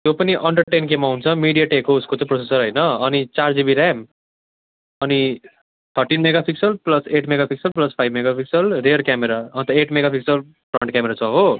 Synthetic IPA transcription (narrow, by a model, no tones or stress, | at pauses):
t̪jopʌniʔʌɳɖʌrʈenkemːaɦunt͡sʰʌmiɽijaʈekouskot͡sʌ̃prosesʌɾɦʌjnʌːnit͡sard͡zibiɾam | ʌni | t̪ʰʌrʈinmeɡapʰiksʌlplʌseʈmeɡapʰiksʌlplʌspʰajbmeɡapʰiksʌlrerkjameɾaʌ̃nt̪ʌeʈmeɡapʰiksʌl | prʌɳʈ̚kʲameɾat͡sʰʌɦo